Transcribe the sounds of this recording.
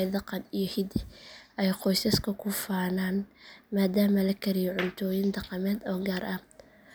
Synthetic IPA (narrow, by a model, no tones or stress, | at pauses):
d̪ɑqɑnijɞhɪd̪ɪɛjqɔjsɐskʰɐkʰʊfaːnaːnmaːd̪aːmɐlɐkʰɐɾɪjɔʕʊnt̪ʰɔːjɪnd̪ɑqɑmɛːd̪ɔːɡaːɾʔɐ